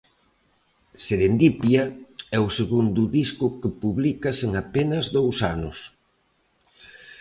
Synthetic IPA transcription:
seɾend̪ipjɐɛʊseɣund̪ʊðiskʊkepuβlikɐseŋapenɐzðowsanʊs

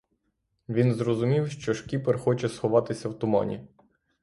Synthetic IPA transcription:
ʋʲinzɾɔzʊmʲiwʃt͡ʃɔʃkʲiperxɔt͡ʃɛsxɔʋɑt̪ɪsʲɐwt̪ʊmɔ̰nʲḭ

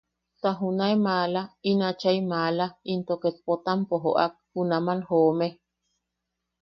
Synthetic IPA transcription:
t̪aɦunaemaːlainat͡ʃaimalaint̪oket̪̚pot̪ampoɦoʔa̰k̚hunamanhoːme

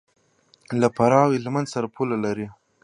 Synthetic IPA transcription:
lapaɾɑwelmanzsaɾapʰulalaɾi

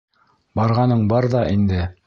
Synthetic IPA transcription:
bɑɾʁɑnɤɴbɑɾðɑʔind̪ɘ

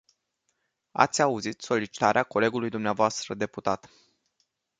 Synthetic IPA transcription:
a̰t̪sʲauzit̪so̞lit͡ʃi̥t̪aɾeako̞le̞ɡulujd̪umneavoast̪ɾəd̪e̞put̪at̪

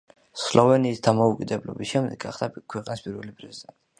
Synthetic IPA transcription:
slɔvɛniːsd̪amɔukʼid̪ɛblɔ̰bisʃɛmd̪ɛɡaχd̪̥akʰwɛqʼnispʼiɾvɛlipʼɾɛzid̪ɛ

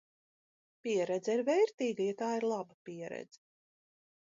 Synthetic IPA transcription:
pʲiɛɾɛd̪zɛiɾvɛjɾt̪iːɡajat̪aːiɾlˠabapʲiɛɾɛ̰d̪z̥ɛ

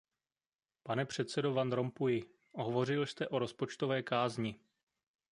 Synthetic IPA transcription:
panɛpr̝̥ɛt̪sɛdo̞vand̪ɾo̞mpujɪ | ʔoɦovo̞rɪlst̪ɛʔo̞ɾo̞spo̞t͡ʃt̪ovɛːkaːzɲɪ

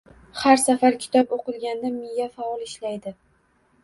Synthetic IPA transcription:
haɾsafaɾkʲʰɪ̥t̪ʰɒpoqɨlˠɡʲand̪amɪjafaɒlˠɪʃlajd̪ɪ

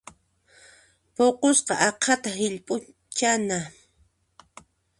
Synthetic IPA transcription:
poqosqɑʔɑqʰɑt̪aɦɪʎpʼʊ | t͡ʃana

